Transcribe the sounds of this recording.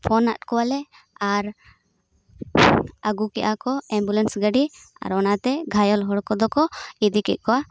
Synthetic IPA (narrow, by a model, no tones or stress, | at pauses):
pʰɔnːat̪̚kɔwalɛ | aɾ | aɡukɛʔakɔɛmbulɛnsɡəɖia̰ɾɔnat̪ɛɡʱajɔlɦɔɽkɔd̪ɔkɔid̪ikɛ̰ʔ̪̚ˀkɔwa